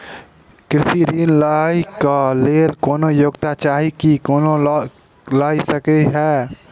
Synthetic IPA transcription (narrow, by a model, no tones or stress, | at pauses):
kɾɪsiɾiːnlaːikaleːlkoːnojoːɡt̪at͡ʃaːɦikikoːno | laːisəkeɦɛː